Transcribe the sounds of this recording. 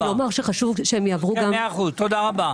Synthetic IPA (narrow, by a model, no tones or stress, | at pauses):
lomaʁʃeχaʃuvʃeemjaːvʁuɡameχuzt̪od̪aʁaba